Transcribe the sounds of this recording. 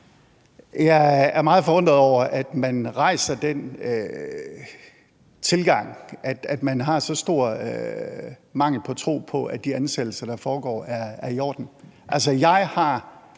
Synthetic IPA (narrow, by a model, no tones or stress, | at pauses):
jɑæɐmɑ̈ːð̞̩ˠfɒʋɔnd̥ʁɐð̩ˠɒʊ̰ɐʔæd̥mænʁɑ̈ɪ̰sɐd̥en̰ø | t͡sʰe̝lɡ̥ɑ̈ŋ̰ʔæd̥æd̥mænɦɑ̈sɒ̽sd̥o̝ɐ̰ø | mɑ̈ŋ̰l̩pʰɒ̽t͡sʰʁo̝̰ːpʰɒ̽ʔæd̥iænsed̥l̩sɐd̥ɑ̈fɒːɡ̥ɒ̰ːæɐæɐijɒ̰ːd̥n̩ʔælsɐjɑ̈ɪhɑ̈